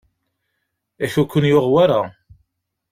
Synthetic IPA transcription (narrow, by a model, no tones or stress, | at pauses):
æθukʷːənjoʁwaɾa